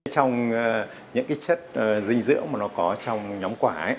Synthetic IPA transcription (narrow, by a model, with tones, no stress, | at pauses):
t͡ɕɔ˧wŋ͡m | ɲɨ̰˧˥ŋkaː˨˦jt͡ɕə˦˥t̚ʔːzï˧ŋ̟zɨ̰˧˥əwmaː˨˩nɔ˨˦kɔ˨˦t͡ɕɔ˧wŋ͡mɲɔ˨˦ŋ͡mkwaː˧˩ʔ